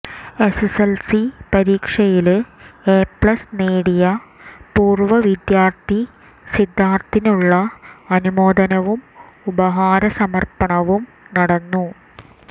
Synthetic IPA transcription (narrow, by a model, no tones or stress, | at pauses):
e̞seselsipɐɾiːkʂɐjileːpɭɐsneːɽijɐpuːrʋɐʋid̪jaːrt̪i | sid̪ʱːaːrt̪inuɭːɐɐnumo̞ːd̪ʱɐnɐʋum | ubɐɦaːɾɐsɐmɐrpɐɳɐʋum | nɐɽɐnːu